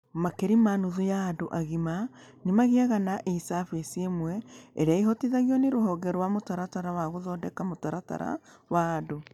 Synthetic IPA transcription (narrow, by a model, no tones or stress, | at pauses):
makeɾimanuðojaːdoʔaɣima | nemaɣeaɣanaʔesafesiemwɛeɾeaiɦɔtiðaɣiɔneɾoɦɔɡɛɾwamotaɾataɾawaɣoðɔːdɛkamotaɾata̰ɾa̰waːdo